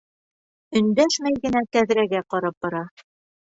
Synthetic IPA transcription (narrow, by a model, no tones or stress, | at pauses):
ɵ̆nd̪æʃmæjɡɘ̆næt̪æðɾæɡæqɑɾɑp̚bɑɾɑ